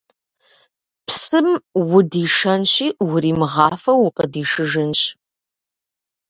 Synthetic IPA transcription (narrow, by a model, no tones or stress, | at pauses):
pʰsɨmwʊdiːʂɐnɕiːwʊɾiːmɨʁɑːfɐwʊqʼədiːʂɨʒɨnɕ